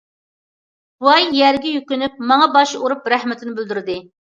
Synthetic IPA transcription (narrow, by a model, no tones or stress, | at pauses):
uɑjːæɾɡʲɛjykʲynyp̚mɑŋɑbɑʃuɾupɾæhmɪt̪ʰɪnɪbyld̪yɾd̪ɪ